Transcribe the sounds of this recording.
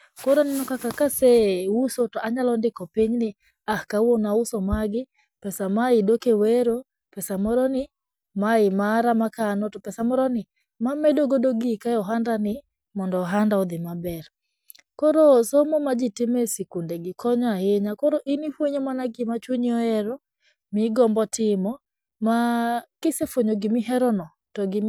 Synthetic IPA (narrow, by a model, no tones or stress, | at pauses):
kɔɾɔnɛnɔkakakasɛusotɔaɲalɔndɪkɔpiɲnɪ | ahkawonausɔmaɡɪ | pɛsamaɪdokeweɾo | pɛsamɔɾɔnɪ | maɪmaɾamakanɔtɔpɛsamɔɾɔnɪ | mamɛdoɡodoɡɪkajɔɦandanɪ | mɔndɔːɦandaɔd̪ɪmabɛɾ | kɔɾosomɔmad͡ʒitɪmesikundeɡɪkʰɔɲɔahɪɲakɔɾoʔinifwoɲemanaɡɪmat͡ʃwoɲɔɛɾɔ | mɪɡɔmbɔtɪmɔ | makɪsefwoɲoɡɪmɪɦɛɾɔnɔ | tɔɡɪ